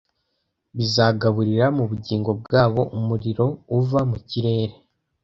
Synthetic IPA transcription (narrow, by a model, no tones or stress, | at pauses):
βizaːɡaβuɾiɾamuβuɟiːŋɡo̞b̚ɡaːβo̞ʔumuɾiɾo̞uvamuciɾe̞ːɾe̞